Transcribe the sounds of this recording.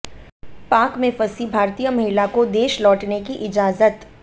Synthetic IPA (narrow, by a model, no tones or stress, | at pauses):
paːkmẽfɐsibʱaːɾt̪iːjəmɐɦɪlakod̪eːʃlɔːʈnekiʔɪd͡ʒaːzət̪